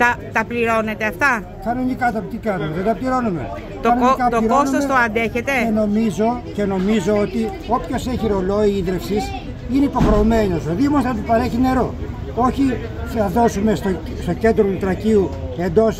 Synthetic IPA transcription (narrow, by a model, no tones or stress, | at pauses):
t̪ɐt̪ɐpliɾo̞ne̞t̪e̞ɐft̪ɐ | kɐno̞nikɐtɐpt̪ikɐnumeðed̪ɐpliɾo̞nume̞̰ | t̪oɐnoikɐt̪oiɾonsomset̪oɐnd̪e̞çe̞t̪e̞eno̞mizo̞ce̞no̞mizo̞ot̪i | o̞pço̞seçiɾo̞lo̞iiðɾefsis | ineipo̞xɾemenosoðimost̪ɐt̪ipɐɾe̞çine̞ɾo̞ | oçi | θɐðo̞sume̞st̪o | st̪o̞ce̞nd̪ɾout̪ɾɐciu | end̪o̞s